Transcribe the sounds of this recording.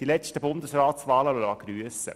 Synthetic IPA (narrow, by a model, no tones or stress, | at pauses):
d̥ilɛstəbʊnd̪əsɾaːt̪sʋɑːləʋɪlɑɡ̥ɾyːəsə̰